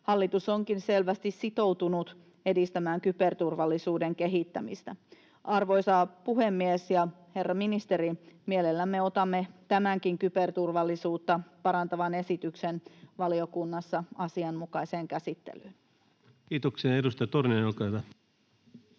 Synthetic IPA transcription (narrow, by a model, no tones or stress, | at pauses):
hɑlːit̪usoŋkinselʋæst̪issit̪o̞wt̪unut̪ | e̞dist̪æmæːŋkypert̪urʋɑlːisuːdeŋke̞ɦit̪ːæmḭst̪æ | ʔɑrʋo̞jsɑːpuɦemːiesjɑ | he̞rːɑminist̪eɾimielelːæmːeot̪ɑmːe̞t̪æmæŋkiŋkypert̪urʋɑlːisuːt̪ːɑpɑɾɑnt̪ɑʋɑne̞sit̪yksenʋɑliokunːɑsːɑɑsiɑnmukɑiseːŋkæsit̪ːḛlyːn | kiːt̪oksiɑedust̪ɑjɑt̪orneɑjolkɑhyʋæ